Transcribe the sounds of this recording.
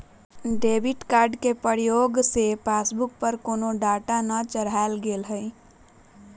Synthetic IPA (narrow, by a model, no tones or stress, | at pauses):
ɖebiʈkaɾɖkepəɾjoɡsepasbuk̚pəɾkonoɖaʈanət͡ʃəɽaelɡelɦəɪ